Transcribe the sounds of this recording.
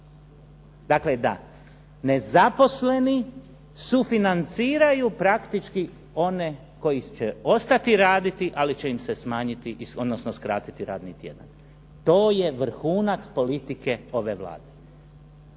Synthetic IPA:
d̪akle̞d̪a̰ | ne̞zapo̞sle̞ni | sufinant̪siːɾajupɾakt̪it͡ʃki | o̞ne̞ | ko̞jit͡ʃeo̞st̪at̪iɾaːd̪it̪iʔalit͡ɕe̞imsesmaːɲit̪iʔiod̪nosnoskɾa̰ːt̪it̪iɾa̰ːd̪nit̪je̞̰d̪a̰n | t̪o̞ːje̞ʋɾ̩xuːnat̪spo̞lit̪ike̞o̞ʋe̞ʋla̰ːd̪e

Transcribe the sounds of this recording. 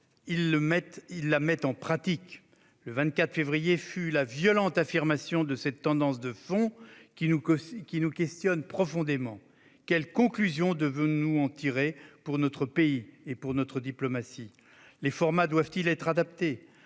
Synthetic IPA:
ilːəmɛt̪ilːamɛt̪ɑ̃pχat̪ik | ləvɛ̃t̪̚kʲat̪χfevʁijefylavjɔlɑ̃t̪afiʁmasjɔ̃d̪əsɛt̪ːɑ̃d̪ɑ̃s̬d̪əfɔ̃kʲinukʲinukʲɛst̪jɔnpχɔfɔ̃d̪emɑ̃ | kʲɛlkɔ̃klyzjɔ̃d̪əvɔ̃nuɑ̃t̪iʁepuʁnɔt̪χəpeiepuʁnɔt̪χəd̪iplɔmasi | lefɔʁmad̪wavt̪ilɛt̪χad̪ap̚t̪e

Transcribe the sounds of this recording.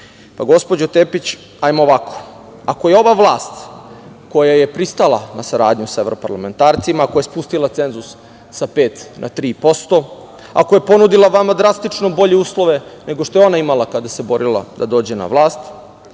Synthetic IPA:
paɡo̞spod͡ʑot̪epit͡ɕ | ajmooʋako̥ | ako̞jeo̞ʋaʋlˠaːst̪ | ko̞jaje̞pɾist̪alˠanasaɾaːd̪ɲusaeʋɾo̞pa̰ɾlame̞nt̪aːɾt̪simaːko̞jespust̪ilat̪se̞nzusː | ape̞ːt̪nʔa̰t̪ɾiːpo̞st̪o̞ | a̰ko̞je̞po̞nud̪ilaʋamad̪ɾast̪it͡ʂno̞bo̞ʎe̞uːslo̞ʋe̞ne̞ɡoʃt̪o̞eo̞naimalˠakad̪asebo̞ɾilˠa̰d̪ad̪o̞ːd͡ʑe̞na̰ʋlˠaːst̪

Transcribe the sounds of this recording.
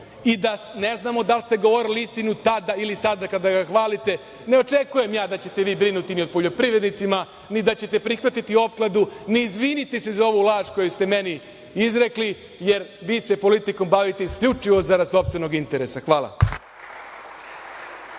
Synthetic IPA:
id̪ane̞znaːmo̞d̪alˠst̪e̞ɡoʋoɾiliist̪inut̪ad̪ailisad̪akad̪aɡaxʋaːlit̪e̞ | ne̞o̞t͡ʃe̞kuje̞mjaːd̪at͡ɕe̞t̪e̞ʋiːbɾinut̪inio̞d̪̚po̞ʎo̞pɾiʋɾed̪nit̪sima | nid̪at͡ɕe̞t̪epɾixʋat̪it̪io̞p̚klad̪uniːzʋiːnit̪isezao̞ʋulˠaːʃko̞just̪e̞me̞ni | izɾe̞kli | je̞ɾʋiːse̞po̞lit̪iko̞mbaʋit̪eiskʎut͡ʂiʋo̞zaɾaso̞pst̪veno̞ɡint̪e̞ɾe̞saxʋaːlˠa̰

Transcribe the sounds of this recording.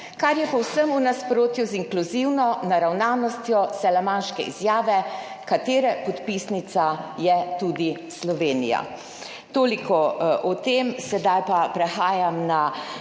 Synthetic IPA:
kaɾjɛpɔwsəmunaspɾoːt̪juziŋkluziwnɔnaɾawnaːnɔst̪jɔsɛlamanʃkɛ̰ḭzjaːʋɛ | kat̪eːɾɛpɔt̪pisnit̪sajɛt̪ud̪islɔʋeːnḭja̰ | t̪oːlikʰɔʔɔt̪emsɛd̪ajpapɾɛxaːjamna

